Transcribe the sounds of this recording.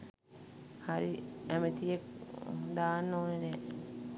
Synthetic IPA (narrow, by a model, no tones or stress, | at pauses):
haɾiɛmet̪ijek̚d̪aːnːoːnenɛ